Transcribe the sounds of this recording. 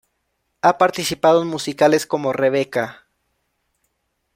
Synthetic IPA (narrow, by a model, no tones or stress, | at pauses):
apaɾt̪isipaðoenmusikale̞sko̞more̞β̞e̞ka